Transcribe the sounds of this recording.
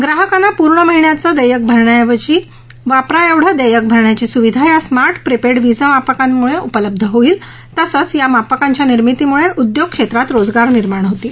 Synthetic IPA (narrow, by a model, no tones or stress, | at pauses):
ɡɾaɦəkanːapuɾɳəməɦiɳjat͡səd̪əjək̚bʱəɾɳjaʋət͡ɕiː | ʋapɾaeʋɽ̤əd̪əjək̚bʱəɾɳjat͡ɕisuʋid̪ʱajasmaɾʈpɾipeɽʋid͡zəmapəkamːuɭeʔupələb̚d̪ʱəɦoiːl | t̪əsət͡sjamapəkãɲt͡ɕjaniɾmit̪iːmuɭeʔud̪joɡ̚kʂet̪ɾat̪ɾod͡zɡaɾniɾmaɳɦot̪iː